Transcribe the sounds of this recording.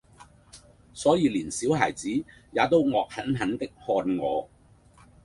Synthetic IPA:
sɔː˨˥jiː˨˧liː˨˩nsiː˨˥whaː˨˩jt͡siː˨˥jaː˨˧t̪o˥wŋɔː˨˧k̚hɐ˨˥nɦɐ˨˥nt̪ɪ˥k̚hɔː˧nŋɔː˨˧

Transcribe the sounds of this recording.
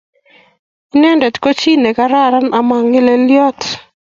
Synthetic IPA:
i˦nɛ˦ndɛ˨tko˦t͡ʃi˦ne˨ka˦ɾa˦ɾa˦nʔa˨ma˨ŋe˦le˦ljɔ˦t

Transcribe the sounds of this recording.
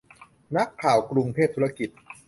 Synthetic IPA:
na˦˥kʰːaː˨˩wkɾu˧ŋpʰeː˥˩p̚t̪ʰu˦˥a˧ki˨˩t̪̚

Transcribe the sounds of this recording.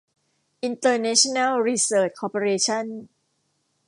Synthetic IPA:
ʔi˧nt̪ɤː˧nɛ˦˥t͡ɕʰo˥˧na˥˩lɾiː˧sɤː˦˥t͡ɕ̚kʰɔː˧po˧ɾeː˧t͡ɕʰa˥˩n

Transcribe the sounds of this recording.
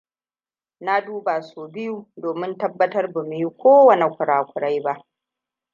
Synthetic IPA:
na˦duː˦baː˨soː˨bɪ˦ju˨doː˨mɪ˦ntɐ˦bːɐ˦tɐ˦rbʊ˨mi˦kʷoː˦wɐ˦˨ne˨kʷʊ˨ɽaː˨kʷʊ˨ɽa˦jba˦ʔ

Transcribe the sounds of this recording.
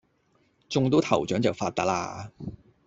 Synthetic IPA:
t͡sʊ˧ŋt̪o˥wt̪ʰɐ˨˩wt͡ʃœː˨˥ŋt͡sɐ˨wfaː˧t̚t̪ɐ˦˥k̚la̰ː˧

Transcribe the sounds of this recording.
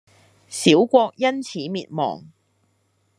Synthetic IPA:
siː˨˥wkʷɔː˧k̚jɐ˥nt͡sʰiː˨˥miː˨t̚mɔ̰ː˨˩ŋ

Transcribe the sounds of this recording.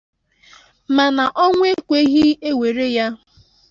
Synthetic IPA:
ma˨na˨ʔɔ˦ŋʷ˦e˦kʷe˦ɣi˦e˦we˨ɾe˦ja˦

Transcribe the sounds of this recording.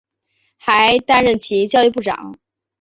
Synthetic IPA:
xa˧˥ɪt̪a˥nɻə˥˩nt͡ɕʰi˧˥t͡ɕjɑ˥˧ʊy˥˧pu˥˩ʈ͡ʂɑ̰˨˩˦ŋ

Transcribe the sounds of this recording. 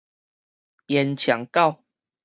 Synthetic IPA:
jɛ˨˦nt͡ɕʰja˨˦ŋka˥˨ʊ

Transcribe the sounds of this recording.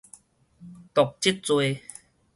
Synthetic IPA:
t̪o˨˩k̚t͡ɕi˦˥t̚t͡swe˧

